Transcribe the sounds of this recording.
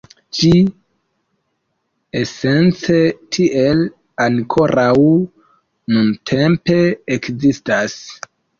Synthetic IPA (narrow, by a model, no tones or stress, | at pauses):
t͡ʃi | ese̞nt͡setʰiʔel | aŋkʰo̞ɾʔaw | nuntʰe̞mpe̞ekzistas